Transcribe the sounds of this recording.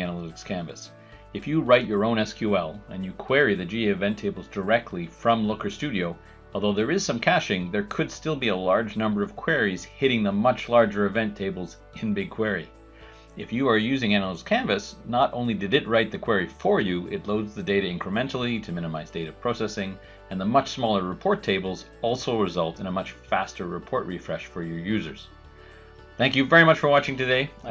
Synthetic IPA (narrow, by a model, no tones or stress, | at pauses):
ænəlɪɾɨkskʰæ̃ɱvɨ̰s | ɨfjɨɹaɪt͡ʃə˞õʊ̃ñɛskʰjʉɛlˠɨ̃njɨkʰw̥ɛɹiðɨd͡ʒiɛvɛ̃ntʰeɪbl̩ˠzdə˞ɛk̚tʰˡlifɹʌ̃mlʊkə˞stʉɾioʊ | ɔlˠðoʊðə˞ɨz̥sʌ̃mkʰæʃɪ̃ŋðə˞kʰɨd̥stɪlˠbiəlɑɹd͡ʒnʌ̃mbə˞ʌv̥kʰw̥ɛɹiz̥hɪɾɪ̃ŋðəmʌt͡ʃlɑɹd͡ʒə˞ɨvɛ̃ntʰeɪbl̩ˠz | ɪ̃nbɪɡ̚kʰw̥ɛɹi | ɨfjɨə˞jʉzɪ̃ŋæ̃nl̩ˠz̥kʰæ̃ɱvɨsnəɾʔõ̰ʊ̃nlidɨɾɨt̚ɹaɪt̪̚ðɨkʰw̥ɛɹifə˞jɨʔɪtˡloʊdzðɨdeɪɾɨɪ̃ŋkɹ̥əmɛ̃ntl̩ˠiɾɨmɪ̃ñɨmaɪzdeɪɾɨpʰɹ̥oʊsɛsɪ̃ŋ | ɨ̃nðəmʌt͡ʃsmɔlˠə˞ɹɨpʰɔɹtʰeɪbl̩ˠz | ɔlˠsoʊɹɨzʌlˠtɨ̃ñəmʌt͡ʃfæ̰stə˞ɹɨpʰɔɹʔ̚ɹifɹɛʃfə˞jə˞jʉzə̰˞z̥ | θæ̃ŋkjɨvɛɹimʌt͡ʃfə˞wɑt͡ʃɪ̃ŋtɨdeɪ